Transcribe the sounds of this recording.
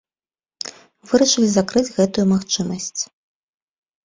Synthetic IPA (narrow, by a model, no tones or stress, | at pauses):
vɨɾɐʂɐlʲizakɾɨd͡zʲɣɛt̪ujumaxt͡ʂɨmɐsʲt͡sʲ